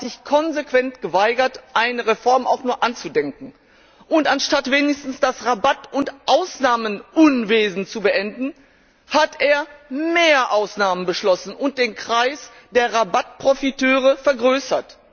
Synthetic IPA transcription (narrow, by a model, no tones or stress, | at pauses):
z̥ɪçkʰɔnzekv̥ɛntɡ̥əvaɪɡɐtʔaɪnəʁefɔɐma̰ʊxnuːɐʔant͡sudɛŋkŋ̩ | ʔʊntanʃtatv̥eːnɪçstn̩sd̥asʁabatʊntʔaʊsnaːmənʔʊnveːzn̩t͡subəʔɛndn̩ | hatʔeːɐmeːɐʔaʊsnaːmənbəʃlɔsn̩ʊnt̚d̥eːnkʁ̥aɪs | d̥eːɐʁabat̚pʁ̥ofitʰøːʁ̞əfɛɐɡʁøːsɐt